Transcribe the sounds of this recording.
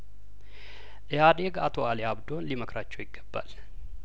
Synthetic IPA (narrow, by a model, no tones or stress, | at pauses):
ʔɨjad̪eɡa̰t̪ʰo̞aliabd̪o̞nliməkɾat͡ʃːɛwjɪɡːəbːa̰l